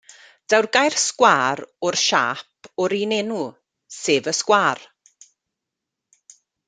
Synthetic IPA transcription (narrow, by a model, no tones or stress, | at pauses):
d̥awrɡajr̥skwaːɾʊrʃa̰ːpʰɔɾinenu | seːvəskwaːr